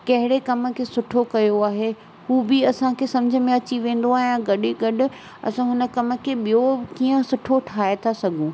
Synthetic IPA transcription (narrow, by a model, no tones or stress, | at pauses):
kɐɦɪɽekɐmə̆kʰeːsʊʈʰokɐjoaːɦe | huːbɪɐsãkʰeːsɐ̃md͡ʑʱə̆mẽɐt͡ɕiʋẽːn̆d̪oaːɦɪjãɡɐɗiɡɐɗɪ̆ | ɐ̰sãɦʊnə̆kɐmə̆kʰeɓijokiːə̃sʊʈʰoʈʰaːet̪ʰasɐɡʱũː